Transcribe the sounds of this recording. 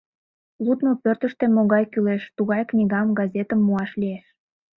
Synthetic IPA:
lut̪nopørt̪əʃt̪emoɣɑjkyleʃt̪uɣɑjknʲiɣɑmɡɑzʲet̪əmːuɑʃlieʃ

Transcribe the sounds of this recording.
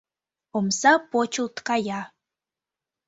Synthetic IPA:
omsɑpot͡ɕə̆lt̪kɑjɑ

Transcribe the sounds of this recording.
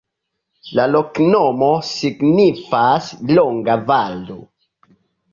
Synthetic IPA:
lalɔknɔmɔsiɡnifaslɔŋɡavalṵ

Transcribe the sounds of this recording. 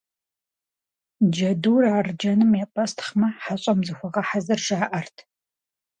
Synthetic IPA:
d͡ʒɐduːraːrd͡ʒɐnɨmepʼɐstʰχmɐħaɕʼɐmzɨxʷɔʁɐħazɐrʒaːʔɐrtʰ

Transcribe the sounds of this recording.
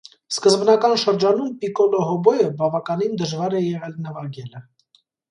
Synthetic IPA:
skəzbnɑkɑnʃəɾd͡ʒɑnumpikɔlɔɦɔbɔjəbɑvɑkɑnind̪əʒvɑɾɛjɛʁɛlnəvɑɡɛlə

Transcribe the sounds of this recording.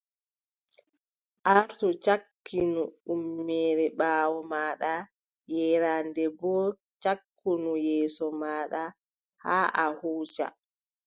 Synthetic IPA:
ʔaɾtɔt͡ʃakːinuumːɛːɾɛɓaːwɔmaːɗa | jɛɾandɛbɔ | t͡ʃakːunujɛːsɔmaːɗa | haːʔahuːd͡ʒa̰

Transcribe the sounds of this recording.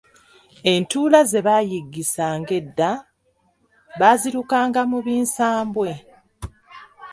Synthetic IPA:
e̞ntuːlaze̞βaːjiɡːisaːŋɡe̞dːa | βaːziɾukaːŋɡamuβiːnsaːmbwe̞

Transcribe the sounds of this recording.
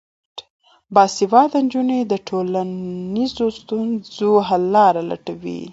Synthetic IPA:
bɑsivɑd̪and͡ʒuned̪əʈʰolanizost̪unzoɦalːɑɾala̰ʈawḭ

